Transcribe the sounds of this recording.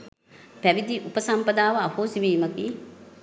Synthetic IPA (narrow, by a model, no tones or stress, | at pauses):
pæʋid̪iʔupəsampəd̪aːʋɐapoːsiʋiːməki